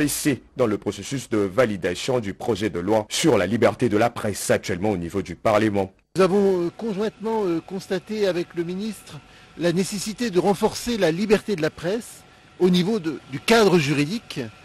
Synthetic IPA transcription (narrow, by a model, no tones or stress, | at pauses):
esed̪ɑ̃ləpχɔsesysd̪əvalid̪asjɔ̃d̪ypχɔʒɛd̪əlwasyʁlalibɛʁt̪ed̪əlapχɛsak̚t̪ɥɛlmɑ̃onivod̪ypaʁləmɑ̃ | zavɔ̃kɔ̃ʒwɛ̃t̪mɑ̃økɔ̃st̪at̪eavɛkləminist̪χə | lanesesit̪ed̪əʁɑ̃fɔʁselalibɛʁt̪ed̪əlapχɛs | onivod̪ykad̪ʁəʒyʁid̪ik